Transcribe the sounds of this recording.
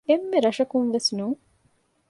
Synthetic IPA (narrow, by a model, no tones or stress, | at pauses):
emːeɾɐʂɐkunʋesnuː